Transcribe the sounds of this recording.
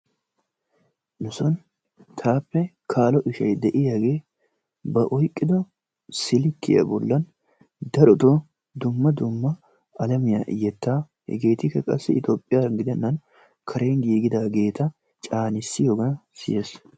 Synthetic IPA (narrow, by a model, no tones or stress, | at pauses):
nʊsɔn | t̪ʰaːpːɛ | kʰaːlɔʔɪʃɐ̰jd̪ɛʔɪjaɡe̞ː | bɐʔɔjkʼːɪd̪ɔ | sɪlɪkːɪ̰jɐ̰bɔ̰lːɐn | d̪ɐɾɔt̪ɔ | d̪ʊmːɐd̪ʊmːɐ | ɐlɐmɪja̰ʔɪjːɛt̪ːaː | hɛ̰ɡe̞ːt̪ɪkːɐkʼɐsːɛɪt̪oːpʼːɪjaɡɪd̪ɛnːɐn | kʰɐɾeːnɡiːɡɪd̪aːɡe̞ːt̪ɐ | t͡ʃʼaːnɪsːɪjoːɡɐnsɪ̰jeːs